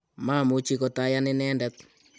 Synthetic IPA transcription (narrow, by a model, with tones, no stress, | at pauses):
ma˦˨mʊ˨˦t͡ʃi˦kɔ˨ta˦ja˦nɪ˦nɛː˦ndɛ˦t̪̚